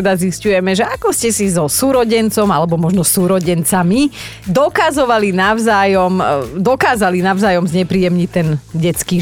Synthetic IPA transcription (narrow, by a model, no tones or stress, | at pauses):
ɛd̪aziscujɛmɛʒɛakɔscɛsizɔsuːɾɔɟɛnt͡sɔmalɛbɔmɔʒnɔsuːɾɔɟɛnt͡sami | d̪ɔkazɔʋalinaʊzaːjɔmd̪ɔkaːzalinaʊzaːjɔmzɲɛpɾiːjɛmɲict̪ɛnɟɛt͡skiː